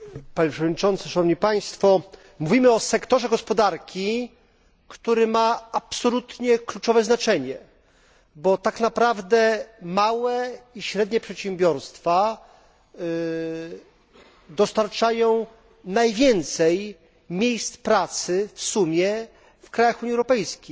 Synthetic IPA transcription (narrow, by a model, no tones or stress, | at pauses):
paɲɛpʂɛvɔd̪ɲit͡ʂɔnt̪sʂanɔvɲipaj̃st̪fɔ | muvʲimɘɔsɛkt̪ɔʐɛɡɔspɔd̪aɾkʲi | kt̪uɾɘmaapsɔlut̪ɲɛklut͡ʂɔvɛznat͡ʂɛɲɛ | bɔt̪aknapɾavd̪ɛmawɛiɕɾɛd̪ɲɛpʂɛtɕɛmbʲjɔɾst̪fa | d̪ɔst̪aɾt͡ʂajɔ̃w̃ | najvʲjɛnt̪sɛj | mʲjejst̪pɾat̪sɘfsumʲjɛ | fkɾajaxuɲiɛwɾɔpɛjskʲej